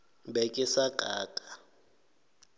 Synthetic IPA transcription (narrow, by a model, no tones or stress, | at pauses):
bɛkʼɪsakʼaːkʼḁ